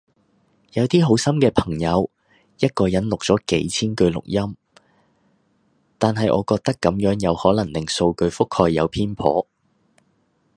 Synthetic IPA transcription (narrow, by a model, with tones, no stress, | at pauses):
jɐ˨˧wt̪iː˥ɦo˨˥wsɐ˥mkɛː˧pʰɐ˨˩ŋjɐ˨˧w | jɐ˥t̚kɔː˧jɐ˨˥nlʊ˨k̚t͡sɔː˨˥kḛ˨˥jt͡sʰiː˥nkɵ˧ɥlʊ̰˨˩k̚jɐ˥m | t̪aː˨nɦɐ˨jʔɔ̰ː˨˧kɔː˧k̚t̪ɐ˥kːɐ˨˥mjœː˨˥ŋjɐ˨˧whɔː˨˥lɐ˨˩ŋlɪ˨ŋso˧wkɵ˧ɥfʊ˥khɔː˧jːɐ˨˧wpʰiː˥npʰɔ̰ː˨˥